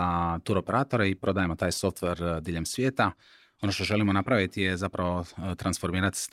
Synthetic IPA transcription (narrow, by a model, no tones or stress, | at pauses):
at̪uɾo̞pe̞ɾaːt̪o̞ɾaipɾo̞d̪aːjemo̞t̪aːjso̞ft̪ʋe̞ɾd̪iːʎe̞msʋje̞ːt̪a | o̞no̞ʃt̪o̞ʒe̞limonapɾaʋit̪ijezapɾaʋo̞t̪ɾansfo̞ɾmiːɾat̪